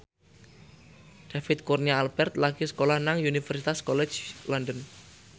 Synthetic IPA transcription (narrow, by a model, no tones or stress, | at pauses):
d̪̥afɪt̪̚kurniaːlbɛrt̪laɡ̥isə̥kolahnaŋunifɛrsit̪askɔlɛ̥t͡ʃlɔndən